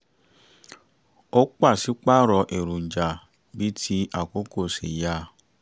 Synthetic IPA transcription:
o˦k͡pa˦˨si˨˦k͡pa˦ɾɔ˧ʔe˨ɾũ˨n̩˨d͡ʒa˨ | bi˨˦tʰi˧˦ʔa˦˨ko˦ko˦˨sḭ˨ja˧˦˨

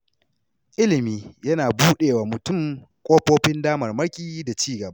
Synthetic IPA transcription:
ʔɪ˦lɪ˨miː˦jɐ˦naː˨buː˦ɗeː˨waː˨mʊ˨tʊ˦˨m | kʷʼoː˦ɸoː˦ɸɪ˦ndaː˦mɐ˨rmɐ˦rkʲʼiː˦da˨t͡ʃiː˦ɡɐ˨ba˦ʔ

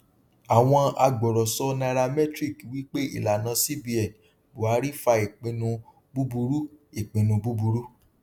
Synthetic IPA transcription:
a˨w̃ɔ̃˧a˧ɡ͡bɔ˨ɾɔ˨sɔ˦na˧ɾa˧mɛ˦tɾi˦˨kwi˦k͡pe˦ḭ˦˨la˨nã˧˦si˦bi˧ɛ˨n˨ | bo˨a˨˦ɾi˦fa˧e˨k͡pĩ˧nũ˧ | bu˦bu˧ɾu˦e˨k͡pĩ˨˧nũ˧bu˦bu˧ɾu˦

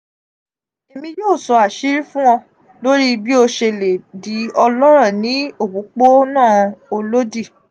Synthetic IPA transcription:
e˨mĩ˧joː˦˨sɔ˨˧a˨ʃi˦ɾi˦fũ˦ɔ̃˧ | lo˦ɾi˦bi˦o˧ʃe˧le˨di˨˦ɔ˧lɔ˦ɾ̃ɔ̃˦˨nĩ˨˦o˦˨bu˨˦k͡po˦nãː˦˨o˧lo˦di˦˨

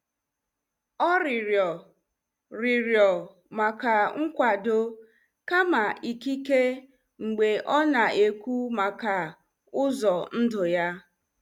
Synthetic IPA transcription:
ɔ˦ɾɪ˨ɾjɔ˨ | ɾɪ˨ɾjɔ˨ | ma˨ka˨ŋ̩˦kʷa˨do˦ | ka˦ma˨i˨ki˦ke˦ | ŋ͡m̩˨ɡ͡be˨ʔɔ˦na˨e˨kʷu˦ma˨ka˨ | ʊ˦zɔ˨n̩˦dʊ˨ja˦

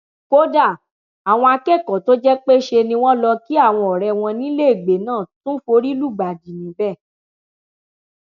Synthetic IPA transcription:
ko˦da˦˨ | a˨w̃ɔ̃˧a˧kɛ˦˨kɔ̃˨to˦d͡ʒɛ˦k͡pe˦ʃe˧nĩ˧w̃ɔ̃˦lɔ˧ki˦a˦˨w̃ɔ̃˧ɔ˨ɾɛ˧w̃ɔ̃˧nĩ˦le˦i˦˨ɡ͡be˨˦nãː˦˨tũ˦fo˧ɾi˦lu˦˨ɡ͡ba˨di˨nĩ˨˦bɛ˦˨

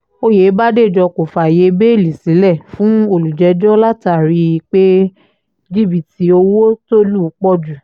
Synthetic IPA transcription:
o˦je˨˦ba˦de˦˨d͡ʒɔ˧ko˨fa˨je˨˧be˦˨li˨si˨˦lɛ˦˨fũ˨˦o˦˨lu˨d͡ʒɛ˨˦d͡ʒɔ˦la˦ta˦˨ɾi˧i˦˧k͡pe˦ | d͡ʒi˦˨bi˨ti˧˦o˧wo˦to˦lu˦˧˦k͡pɔ˦d͡ʒu˨

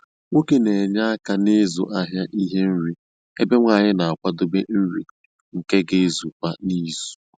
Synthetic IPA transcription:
ŋʷo˦ke˦ne˨ɲa˦a˦ka˦ne˦zʊ̰˨ʔa˦ɦja˦ʔi˦ɦe˦n̩˦ɾi˦ | e˦be˦ŋʷa˦˨ɲɪ˦na˨a˨kʷa˦do˦be˦n̩˦ɾḭ˨ | ŋ̩˨ke˦ɡe˦zu˨kʷa˦ni˦zu̥˨

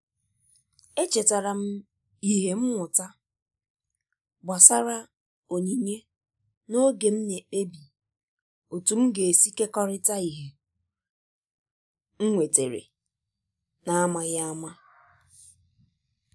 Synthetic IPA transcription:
e˦t͡ʃe˨ta˨ɾa˨m̩˦ | i˦ɦe˨m̩˦ŋʷʊ˨ta˦ | ba˨sa˦ɾa˦ | o˨ɲi˨ɲe˦ | no˦ɡe˨m̩˦ne˨e˦bi˨ | o˨tu˨m̩˦ɡe˨e˨si˦ke˦kɔ˦ɾɪ˦ta˦i˨ɦe˨ | ŋ̩˦ŋʷe˨te˨ɾḛ˨ | na˨a˦ma˨ɣa˦a˦ma˦

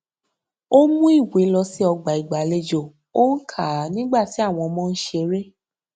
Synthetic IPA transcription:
o˦mũ˦i˦˨we˨˦lɔ˧si˨˦ɔ˧ɡ͡ba˨i˨ɡ͡ba˨˦le˧d͡ʒo˨ | o˦n̩˦kʰa˦˨nĩ˦ɡ͡ba˦˨ti˨˦a˦˨w̃ɔ̃˧mɔ̃˦˧n̩˦ʃe˧ɾe˦

